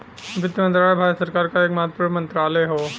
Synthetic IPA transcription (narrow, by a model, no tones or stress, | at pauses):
ʋɪt̪jmə̃nt̪ɾaːləjbʱaːd͡ʒsəɾkaːɾkaeːkmaːt̪ʰpuɾʋmɐ̃nt̪ɾaːleɦoː